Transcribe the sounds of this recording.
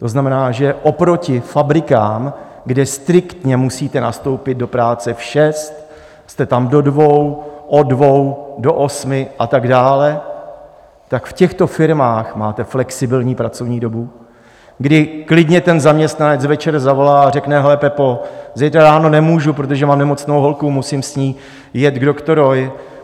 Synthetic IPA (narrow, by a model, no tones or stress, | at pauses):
t̪o̞znamɛnaːʒɛʔopɾo̞cɪfabɾɪkaːm | ɡdɛst̪ɾɪkt̪ɲɛmusiːt̪ɛnast̪o̞wpɪd̪̚do̞pɾaːt͡sɛfʃɛst̪ | st̪ɛt̪amdo̞dvo̞wʔodvo̞wdo̞ʔo̞smɪʔat̪aɡdaːlɛ | t̪akfcɛxt̪o̞fɪɾmaːxmaːt̪ɛflɛksɪbɪlɲiːpɾat͡so̞vɲiːdo̞bu | ɡdɪklɪdɲɛt̪ɛnzamɲɛst̪nanɛt͡svɛt͡ʃɛɾzavo̞laːarɛknɛɦɛlɛpɛpozɛjt̪ɾaɾaːno̞nɛmuːʒupɾot̪oʒɛmamnɛmo̞t͡snowɦo̞lkumusimsɲiː | jɛt̪ɡdokt̪oɾoj